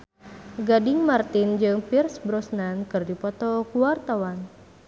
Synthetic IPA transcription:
ɡadɪŋmart̪ind͡ʒɨŋpirsbɾɔsnankɨrdipɔt̪ɔkuwart̪awan

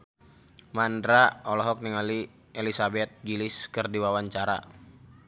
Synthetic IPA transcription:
mandɾaɔlɔɦɔk̚niŋali | elisabɛt̪̚ɡilɪskɨrdiwawaɲt͡ʃaɾa̰

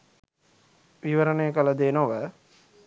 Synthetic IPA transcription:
ʋiʋəɾənejəkələd̪eːnoʋə

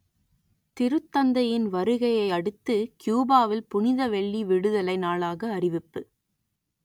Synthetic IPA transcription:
t̪ɪɾɯt̪ːɐnd̪ɐjɪnʋɐɾɯɣɐjɐɪɐɽɯt̪ːɯkjuːbaːʋɪlpʊnɪðɐʋɛɭːiʋɪɽɯðɐlɐɪnaːlaːɣɐːrɪʋɪpːɯ

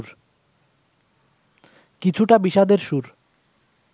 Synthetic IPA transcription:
ɾ | kit͡ɕʰuʈabiʃad̪eɾʃuɾ

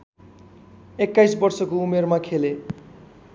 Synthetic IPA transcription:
ekːajsbʌrsʌkoumermakʰele

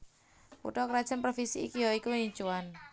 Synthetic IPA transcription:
pṵʈɔkɾad̥ʒ̥ənpɾofisiikijoikuiɲt͡ʃuan

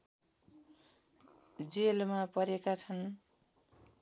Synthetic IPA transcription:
d͡zelmapʌɾekat͡sʰʌn

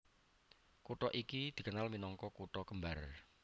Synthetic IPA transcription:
kuʈɔʔikid̪̥i̤kənalminɔŋkɔkuʈɔkəmbar

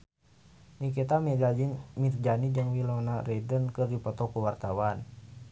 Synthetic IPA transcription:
nikɛt̪amid͡ʒad͡ʒiŋmird͡ʒanid͡ʒəŋwilonaɾɛdənkɨrdipɔt̪ɔkuwart̪awan

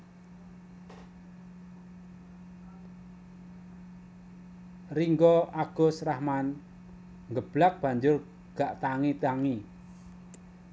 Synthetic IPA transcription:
riŋɡɔʔaɡ̥ʊ̤srahman | ŋɡəb̥lak̚b̥a̤ɲd͡ʒʊr | ɡ̥a̤ʔt̪aŋit̪aŋi

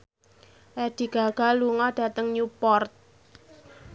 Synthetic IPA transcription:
ʔɛd̥i̤ɡ̥a̤ɡ̥a̤luŋɔɖ̥a̤t̪əŋɲupɔrt̪̚

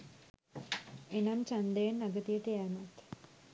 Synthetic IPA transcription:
enamt͡ʃand̪əjənːaɡət̪ijət̪ijanat̪

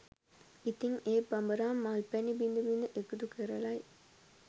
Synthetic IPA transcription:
it̪ːiŋeːpɐmbɐɾaːmːaːlpɛnibind̪ubind̪ɨʔekːud̪ukeɾɐlaːj

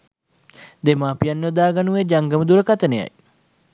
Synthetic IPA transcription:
d̪emaːpijanːəd̪aːɡanuʋed͡ʒaŋɡəməd̪uɾəkat̪əneja̰j

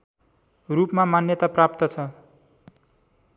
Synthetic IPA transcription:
rupmamanjʌt̪aprap̚t̪ʌt͡sʰʌ

